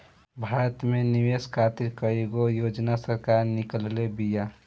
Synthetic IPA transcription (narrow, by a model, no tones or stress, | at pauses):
bʱaːɾət̪meniʋeskʰaːt̪iɾkəeɡojoːd͡ʒnasəɾkaɾnɪkəllebija